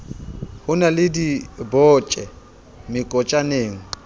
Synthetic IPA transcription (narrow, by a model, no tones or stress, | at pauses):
hʊnalɪdibɔːt͡ʃʼɛ | mɪkʼɔt͡ʃʼaneːŋ̩